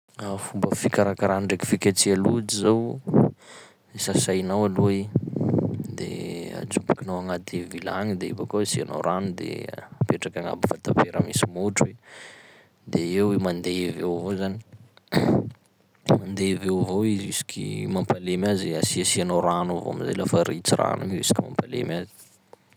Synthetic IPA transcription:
afumbəfikaɾakaɾanɳɖ͡ʐeki̥fikʲat͡sialud͡ʒizaw | esasajnawalue | d̪ḛa̰d͡ʒubakinawaŋat̪ʰevila̰ŋid̪eḭbakosiano̰ɾanud̪ḛapeʈ͡ʂakaŋa̰bifat̪apeɾəmisimoʈ͡ʂwe | d̪eewemand̪evewvozani̥ | mand̪evewvoizisi̥kʲʰḭmampalemaziasiasianoɾanuvo̰a̰miza̰jlafaɾit͡sira̰nunresi̥kʲima̰mpalḛmazi̥

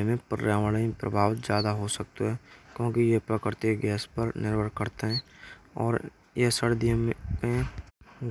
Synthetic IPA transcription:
mẽpəɾjaːʋəɽəipɾə̰bʱaːʋt̪d͡ʒjaːd̪aɦosək̚t̪oɦɛːkjõːkijepɾəkɪɾt̪ɪikɡɛːspəɾnɪɾbʱəɾkəɾt̪eɦɛ̃ːɔːɾ | jesəɽd̪imẽ

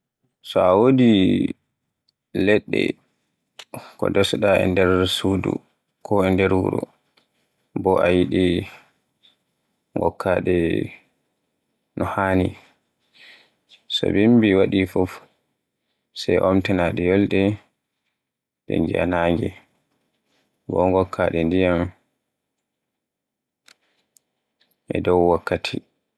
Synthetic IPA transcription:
sɔawodi | lɛɗːɛ̰ | kɔ̰dɔsɗaɛ̰ndɛɾsudṵ | kʰɔɛndɛɾwuɾɔ̰ | bɔʔajiɗi | ŋɡɔ̰kʰːaɗɛ | nɔhaːni | sɔ̰bimbiwaɗifuf | sajʔɔmtɛnaɗɛjɔlɗɛ | dɛ̰ɲd͡ʒia̰naŋɡi | bɔŋɡɔkʰːaɗɛndijam | ʔɛ̰dɔwwakːatʰi

